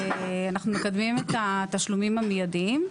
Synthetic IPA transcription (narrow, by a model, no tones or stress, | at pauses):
eanaχnumekad̪mimet̪at̪aʃlumimamejad̪iim